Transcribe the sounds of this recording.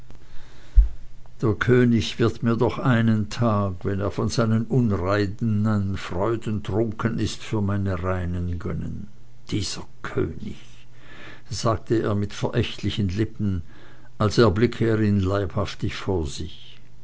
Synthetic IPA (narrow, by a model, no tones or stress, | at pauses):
d̥eːɐkʰøːnɪçv̥ɪɐtmiːɐdɔχʔaɪnəntʰaːkvɛneːɐfɔnzaɪnənʔʊnʁaɪdnanfʁ̥ɔʏdʊn̩tʁ̥ʊŋkʰənɪstfyːɐmaɪnəʁaɪnənɡœ̰nə̰n | d̥iːz̥ɐ | kʰø̰ːnɪ̰ç | z̥aːk̚tʰəḛːɐmɪtfɛɐʔɛçtlɪçənlɪpn̩ | ʔalseːɐblɪkʰəeːʁiːnlaɪphaftɪçfoːɐzɪç